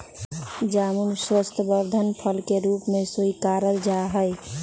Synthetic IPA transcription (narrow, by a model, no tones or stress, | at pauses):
d͡ʒaːmunswəst̪ʰəbəɾd̪ʱənpʰəlkeɾuːpmẽsoikaːɾəld͡ʒaɦəɪ